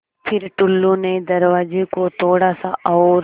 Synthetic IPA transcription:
pʰɪɾʈʊlːũned̪ɐɾʋaːd͡ʒekot̪ʰoːɽasaʔɔːɾ

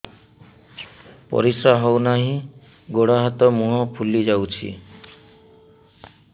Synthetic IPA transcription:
pɔ̰ɾisɾaɦɔwnaɦĩ | ɡoɽaɦat̪ɔmuɦɔpʰulid͡ʒawt͡ʃʰḭ

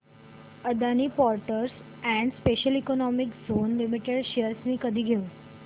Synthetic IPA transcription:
əd̪anipɔɾʈəɾs | ɛ̃ɳɖspeɕəlikonɔmikzonlimiʈeɖɕiəɾsmĩːkəd̪ʱiːɡʱeũ

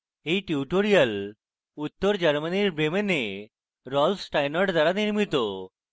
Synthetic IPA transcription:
ɦiʈiuʈoɾijəl | ut̪ːəɾd͡ʑəɾməniɾbɾemene | ɾɔlfʈajnəɾɖd̪aɾaniɾmit̪o

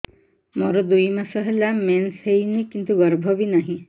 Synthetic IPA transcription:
mɔɾɔd̪ujmasɔɦelamensɦejnikint̪uɡɔɾbʱɔbinaɦĩ

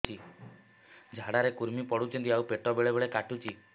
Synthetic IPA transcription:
i | d͡ʒʱaɽaɾekuɾmipɔɽut͡ʃʰɔnt̪iawpeʈɔbeɭeβeɭekaʈut͡ʃʰi

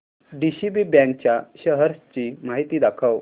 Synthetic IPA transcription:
ɖiɕibibɛ̃ŋk̚t͡ɕjaɕəɦəɾst͡ɕiːmaɦit̪iːd̪akʰəʋ

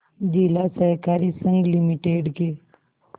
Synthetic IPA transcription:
d͡ʒilasəɦkaːɾisə̃ŋɡlimiʈeːɖkeː

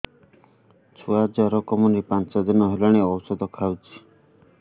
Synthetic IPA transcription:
t͡ʃʰuad͡ʒɔɾɔkɔmɔnɾipant͡ʃɔd̪inɔɦelɔɽ̃eɔwsɔd̪ɔkʰawt͡ʃʰi̥

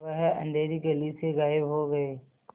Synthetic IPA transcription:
ɐɦɛʔə̰̃ɳɖ̪eːɾikeliseɣaːɪbɦoɡɐeː

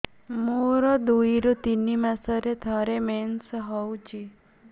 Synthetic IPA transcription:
moɾɔd̪uiɾut̪inimasəɾet̪ʰɔɾemensɦɔwt͡ʃʰi

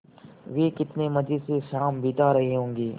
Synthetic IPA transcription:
ʋeːkɪt̪neːməd͡ʒiːseʃaːmbʱiːt̪aɾɐɦiɦõːŋɡeː

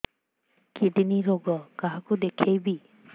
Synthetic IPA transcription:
kidiniɹoɡɔkaɦakʊdekʰejbi

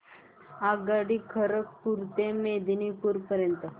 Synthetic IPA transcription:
aɡaɽikʰəɾək̚puɾt̪emed̪inipuɾpəɾjənt̪ə

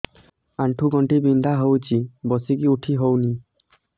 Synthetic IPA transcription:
aɳʈʰuɡɔɳʈibind̪ʱaɦowt͡ʃʰibɔsikiuʈʰiɦowni

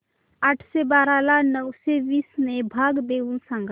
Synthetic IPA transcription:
aːʈʰsebaːɾalanəwsebiːsnebʱaːɡd̪eunsə̃ŋɡ

